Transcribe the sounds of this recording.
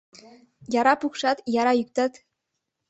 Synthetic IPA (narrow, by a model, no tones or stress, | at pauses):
jɑɾɑpukʃɑt̪jɑɾɑyk̚ʲt̪ɑt̪ʲ